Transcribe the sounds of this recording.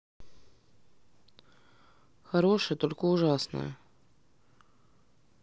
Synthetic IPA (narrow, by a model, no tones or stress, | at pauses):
xɐɾo̞ʂɨjət̪o̞lʲkəʊʐasnə̰jə̰